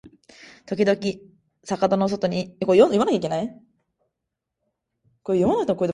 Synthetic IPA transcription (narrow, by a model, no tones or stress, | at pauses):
t̪o̞kʲid̪o̞kʲi | sakad̪anos̬o̞t̪o̞ɲ̟ikojojomanakʲaik̬ʲe̞nai | koejomanakɯ̥t̪omokoid̪e